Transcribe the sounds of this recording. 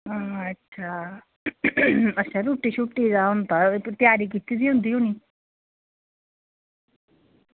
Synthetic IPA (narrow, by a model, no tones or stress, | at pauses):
aːətːʃʰaː | ətːʃʰaːɾuːʈːiːʃuʈːiːzaːʊnt̪at̪jaːɾiːkit̪iːsiːɦʊ̃nd̪iːoːniː